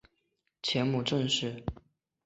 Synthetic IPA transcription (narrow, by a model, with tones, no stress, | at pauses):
t͡ɕʰjɛ˧˥nmu˨˩ʈ͡ʂə˥˧ŋʂɻ̩˥˩